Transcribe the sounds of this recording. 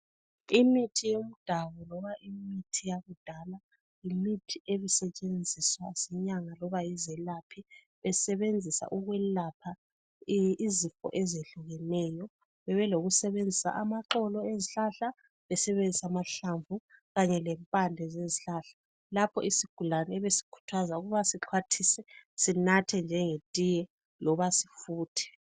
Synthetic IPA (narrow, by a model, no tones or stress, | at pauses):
imitʰijomud̥ʱaβɔlɔβaʔimitʰijaβud̥ʱala | jimitʰiʔeβisɛt͡ʃʼend͡zʱiswaz̥ɛɲaŋalɔβajizɛlapʰi | βɛsɛβend͡zʱisa̰ʔuɣwɛlapʰa | izifɔ̰ʔɛzeɬuɣɛnɛjɔ | βɛβɛloɣusɛβend͡zʱisa̰ʔamaǁɔlɔeziɬaɬa | βɛsɛβend͡zʱisamaɬaɱvʱuɣaɲɛlɛmpʼandʱɛzeziɬaɬḁ | lapʰɔisiɡ̥ʱulanɛɛβesi̥kʰu̥tʰazauɣuβasiǃʰwatʰisɛsinatʰɛnd͡ʒʱɛŋetʼijɛ | lɔβasifuːtʰɛ̥